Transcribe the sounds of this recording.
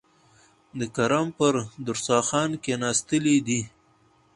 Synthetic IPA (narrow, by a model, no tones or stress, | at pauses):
d̪əkaɾɑmpəɾd̪ʊɾsɑxɑnkenɑst̪əlid̪i